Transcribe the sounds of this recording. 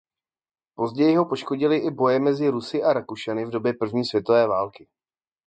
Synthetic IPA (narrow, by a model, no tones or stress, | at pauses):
po̞zɟɛjɪɦo̞po̞ʃko̞ɟɪlɪʔɪbo̞jɛmɛzɪɾusɪʔaɾakuʃɛnɪvdo̞bjɛpr̩vɲiːsvjɛt̪o̞vɛːvaːlkɪ